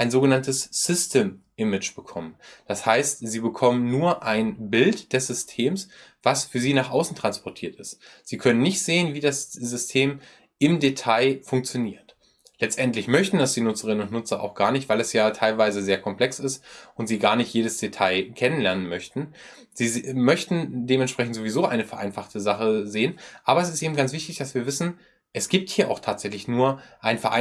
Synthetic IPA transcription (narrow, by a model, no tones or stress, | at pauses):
ʔaɪnzoːɡənantəsːɪstʰəmʔɪmɪt͡ʃb̥əkʰɔmənd̥ashaɪstziːbəkʰɔmənnuːɐʔaɪnbɪltd̥ɛsz̥ʏstʰeːmsv̥asfyːɐziːnaːχʔaʊsn̩tʁ̥anspʰɔɐtʰiːɐtɪstz̥iːkʰœnənːɪçtz̥eːənviːdaszʏstʰeːm | ʔɪmdetʰaɪfʊŋk̚t͡sjoniːɐt | lɛt͡stʔɛntlɪçmœçtn̩dasd̥iːnʊt͡səʁɪnənʊntnʊt͡sɐʔa̰ʊxɡ̥aːɐnɪçtv̥aɪlɛsjaːtʰaɪlvaɪzəzeːɐkʰɔmpl̥ɛksɪstʔʊntz̥iːɡaːɐnɪçtjeːɾəsd̥etʰaɪkʰɛnənlɛɐnənmœçtn̩ | z̥iːzmœçtn̩deːmɛntʃpʁ̥ɛçn̩tz̥oːvizoːʔaɪnəfɛɐʔa̰ɪnfaχtʰəzaχəzeːənʔaːbɐɛs̬ɪstʔeːbm̩ɡant͡sv̥ɪçtɪçd̥asv̥iːɐvɪsn̩ | ʔɛsɡ̥iːp̚thiːɐʔaʊxtʰaːtz̥ɛçlɪçnuːɐʔaɪnfɛɐʔa